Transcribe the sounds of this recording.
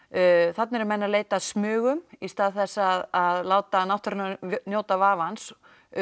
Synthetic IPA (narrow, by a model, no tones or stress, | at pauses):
θat̪nɛɾmɛnːaleːjt̪aðsmʏːɣʏmist̪aːðθɛsːðaðlaːwt̪anawht̪ʏɾnanjoːwt̪avaːvans